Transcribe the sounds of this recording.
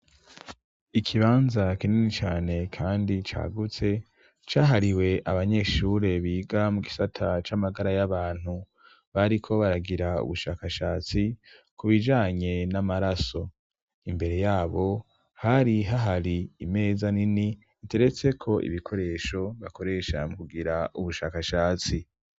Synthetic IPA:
ikʰiβaːnzakininit͡ʃaːne̞kʰaːndit͡ʃa̰ːɡut͡se̞ | t͡ʃaːɦaɾiwe̞ʔaβaɲe̞ːʃuɾe̞βiːɡamuɡisatʰat͡ʃamaɡaɾajaβaːn̥hu | βaɾikʰo̞βaɾaɡiɾaṵβuʃaːkaʃaːt͡sikuβid͡ʒaːɲe̞namaɾaso̞ | imbe̞ɾe̞jaːβo̞ | haɾiɦaɦaɾiime̞ːzanini | ite̞ɾe̞t͡se̞kʰo̞ʔḭβikʰo̞ɾe̞ʃo̞βako̞ɾe̞ʃa̰mukuɡiɾauβuʃa̰ːkaʃaːt͡si

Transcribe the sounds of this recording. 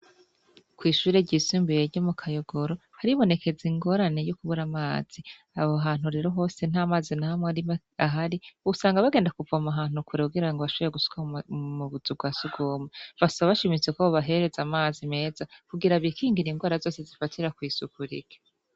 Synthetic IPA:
kwiːʃuːɾe̞ɟiːsiːmbujeɾɟomukʰajoɡo̞ɾo̞haɾiβo̞ne̞kʰe̞ziŋɡo̞ɾane̞jokuβuɾamaːz̥i | aβoɦaːn̥huɾe̞ːɾo̞ɦo̞ːse̞n̥aːmaːzinahamwaɾime | aɦaɾiuusaːŋɡaβaɡe̞ːndakuvamaɦaːn̥hukuɾekuɡiɾaŋɡoβaʃuβjeɡusu̥kʰamuβuzub̚ɡwaːsuɡoːmevasaβaʃimit͡se̞koβaɦe̞ɾe̞zamaːzime̞ːzakuɡiɾaβikʰiːŋɡiɾiŋɡwaːɾazo̞ːse̞zifatʰiɾakwiːsukuɾḭɡe̥

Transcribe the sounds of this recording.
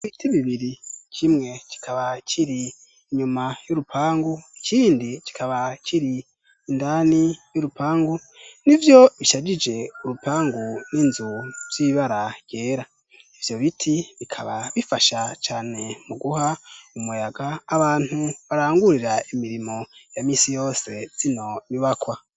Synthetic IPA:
βitiβiβiɾit͡ʃimŋe̞ci̥kʰaβaciɾiː | ɲumajoɾupʰaːŋɡucʰiːndici̥kʰaβaciɾiː | ndanijoɾupaːŋɡu | nivjo̞βiʃad͡ʒid͡ʒe̞uɾupaːŋɡuniːnzuv̥iβaɾaɡj̥e̞ːɾa | ivjo̞βitʰiβikʰaβaβifaʃat͡ʃaːne̞muɡuhaumujaɡaːβaːn̥huβaɾaːŋɡuɾiɾaimiɾimo̞jamiːsijo̞ːse̞z̥ino̞niβakwa

